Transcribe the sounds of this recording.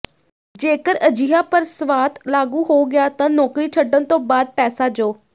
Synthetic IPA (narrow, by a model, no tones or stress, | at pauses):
d͡ʒeːkəɾəd͡ʒɪjaːpəɾsʋaːt̪laːɡuːɦoːɡɪjaːt̪ãːnɔːkɾiːt͡ʃʰəɖənt̪õːbaːd̪̚pɛːsaːd͡ʒoː